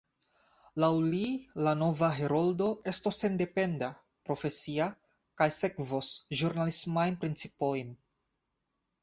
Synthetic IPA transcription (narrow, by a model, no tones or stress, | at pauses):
lawlilano̞vaɦe̞ɾo̞ldo̞e̞stosːe̞nde̞pe̞nda | pɾo̞fe̞sia | kajse̞kvosʒuɾnalismajnpɾint͡sipo̞jn